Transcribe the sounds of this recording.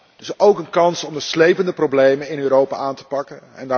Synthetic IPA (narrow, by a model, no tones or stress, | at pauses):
dəsowkənkɑnsɔmdəslejpəndəprowblejmənɪnøːɾowpa̰ːaːntə̥pɑkənɛ̰ndaː